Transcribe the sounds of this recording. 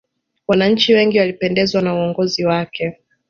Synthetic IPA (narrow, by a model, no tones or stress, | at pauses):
wanaɲ̩t͡ʃiwɛŋɡiwalipɛndɛzwanauɔŋɡɔziwakɛ